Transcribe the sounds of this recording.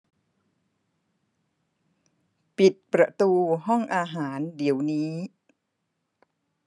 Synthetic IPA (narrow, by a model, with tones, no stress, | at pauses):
pi˨˩t̪̚pɾa˧t̪uː˧ɦɔ˥˩ŋʔaː˧ɦaː˩˦ndi˩˦əwniː˦˥